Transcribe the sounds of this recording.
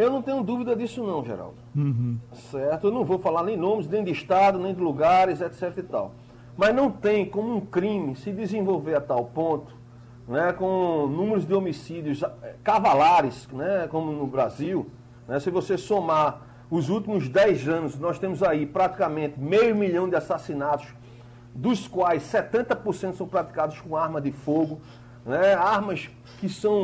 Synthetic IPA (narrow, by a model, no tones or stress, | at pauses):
ewnɐ̃w̃t̪ẽɲʊd̪uvid̪ɐd̪isʊnɐ̃w̃ʒḛɾa̰w̪̩ | sɛɾt̪ʊewnɐ̃w̃vowfalaɾnẽj̃nõmɪznẽj̃d̪ɪʃt̪ad̪ʊnẽj̃d̪ɪluɡaɾɪzɛt̪sɛt̪ɪɾit̪a̰w | mɐznɐ̃w̃t̪ẽj̃kõmʊũkɾĩmɪsɪd̪ɪzẽvowveɾat̪awpõnt̪ʊ̥ | nɛkõnũmeɾʊzd̪ɪomisid̪jʊzɛkavalaɾɪsnɛkõmʊnʊbɾaziw | nɛsɪvosesoma | ʊzut̪imʊzd̪ɛjzɐ̃nʊsnɔst̪ẽmʊzaipɾat̪i̥kamẽnt̪ɪmejʊmiʎɐ̃w̃d̪ɪasasinat̪ʊs | d̪ʊskwajsːɛt̪ẽnt̪ɐpoɾsẽt̪ʊsw̃pɾat̪i̥kad̪ʊskõaɾmɐd̪ɪfoɡʊ | nɛaɦmɐs | kɪsɐ̃w̃